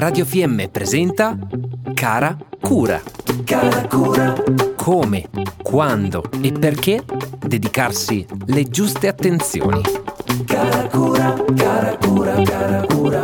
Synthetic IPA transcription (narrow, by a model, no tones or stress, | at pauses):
rad̪jofiɛmːepɾezɛnt̪akaːɾakʰuːɾa̰kaɾakuːɾakʰoːmekʰwand̪oepːerk̟ed̪ed̪ikarsiled͡ʒust̪eat̪ːent̪sjo̰ːnḭkaɾakuːɾakaɾakuːɾaaɾakːɾa